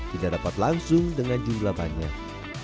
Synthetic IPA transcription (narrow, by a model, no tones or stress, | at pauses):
t̪idaʔdapat̪laŋsʊŋdəŋand͡ʒumlaba̰ɲa̰k̚